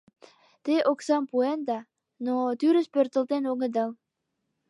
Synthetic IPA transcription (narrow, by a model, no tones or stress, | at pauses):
t̪eʔoksɑmpuend̪ɑ | not̪yɾə̆spørt̪ə̆lt̪enoɣə̆d̪ɑl